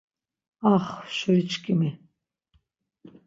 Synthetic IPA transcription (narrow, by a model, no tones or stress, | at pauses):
aχʃəɾit͡ʃkʼimi